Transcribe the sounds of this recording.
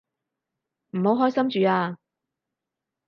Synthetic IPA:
m̩˨˩ho˨˥wɦɔː˥jsɐ˥mt͡ʃyː˨aː˧

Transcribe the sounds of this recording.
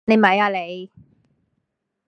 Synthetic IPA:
ne˨˧mɐ˨˥jaː˧˨le˨˧j

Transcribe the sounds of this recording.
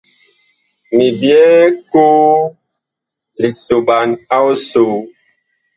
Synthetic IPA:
mi˨bjɛ˦ko˦ | li˨so˨ɓa˨na˦wso˨

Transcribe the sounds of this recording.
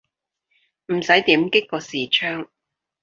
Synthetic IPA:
m̩˨˩sɐ˨˥jt̪iː˨˥mkɪ˥kkɔː˧siː˨˩t͡ʃʰœː˥ŋ

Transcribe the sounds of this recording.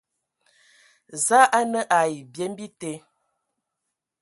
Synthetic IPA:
za˦ʔa˦nə˦ʔa˨ji˨bje˨˦m˦bi˦te˨˦

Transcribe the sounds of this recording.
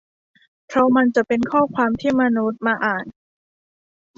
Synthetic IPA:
pʰɾɔ˦˥ma˧nt͡ɕa˨˩ʔpe˧nkʰɔː˥˩kʰwaː˧mt̪ʰiː˥˩ma˧nu˦˥t̪̚maː˧ʔaː˨˩n

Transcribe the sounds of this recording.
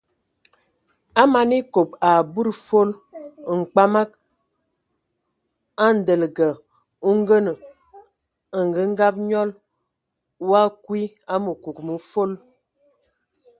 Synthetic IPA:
a˦ma˨ni˦ko˨pa˨bu˦ɾfo˦lŋ̩˨k͡pa˦ma˦k̚ | a˦n̩˨də˨lɡə˨ | u˦ŋ˦ɡə˦nə˨ | ə˨ŋ˨ɡə˦ŋ˦ɡa˦p̚ɲɔ˦l | wa˦kwi˦ | a˦mə˨ku˨kmə˨fo˦l

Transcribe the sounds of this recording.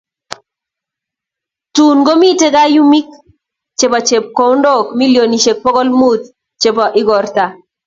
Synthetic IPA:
tu˨nɡo˦mi˦te˦ɡa˦ju˦mi˦k̚ | t͡ʃe˨pa˨t͡ʃe˨p̚ko˨wndɔ˦kmi˦ljo˨ni˨ʃe˨k̚pɔ˦ɡɔ˦lmu˦t̪̚ | t͡ʃe˨pɔ˨ʔɪ˦ɡɔ˨rta˨

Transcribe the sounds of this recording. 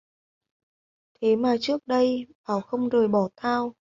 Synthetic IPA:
t̪ʰe˨˦maː˨˩t͡ɕɨ˦˥ək̚ɗə˧jɓaː˨˩wxə˧wŋ͡mzəː˨˩jɓɔ˧˩t̪ʰaː˧w

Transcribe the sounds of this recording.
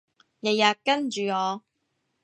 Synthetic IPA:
jɐ˨jaː˨kɐ˥nt͡ʃyː˨ŋɔː˨˧

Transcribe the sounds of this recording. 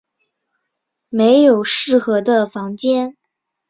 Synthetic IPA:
me˧˥ɪjo˨˩ʊʂɻ̩˥˩xɤ˧˥d̪ə˧fɑ˧˥ŋt͡ɕjɛ˥n

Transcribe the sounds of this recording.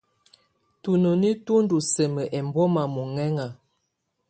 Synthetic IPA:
tu˨no˨ni˦tu˦n˦du˨sɛ˨mə˨ʔɛ˨mbɔ˦ma˨mu˨ŋɛ˦ŋa˨

